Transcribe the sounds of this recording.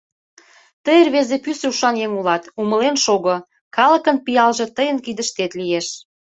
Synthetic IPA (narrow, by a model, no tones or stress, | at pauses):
t̪əjərβezepyseuʃɑnjeŋulɑt̪uməlenʃoɣŏ | kɑlə̆kə̆npijɑlʒĕt̪əjə̆nkid̪ə̆ʃt̪et̪lijeʃ